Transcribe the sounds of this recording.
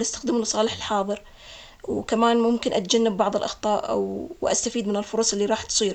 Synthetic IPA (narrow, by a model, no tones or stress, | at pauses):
last̪ḁxd̪ɪmlsˤɑːlɪħɪlħɑːðˤɨɾ | wkamaːnmʊmkɪnʔat̪̚d͡ʒanːɪbːɑʕðˤɪlʔɑ̰xt̪ˤɑːʔa̰wʔa̰st̪afiːd̪mɪnɪlfʊɾˤɑsˤʔɪlːiɾˤɑːħt̪sˤiːɾ